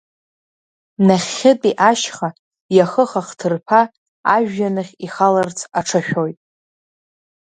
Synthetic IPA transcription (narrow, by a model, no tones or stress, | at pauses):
naχʲːɪtʼiʔaʃχa | jaχəχaχtʰɨrpʰa | a̰ʒᶣjanɨχʲiχalart͡sʰaʈ͡ʂʰaʃᶣojtʼ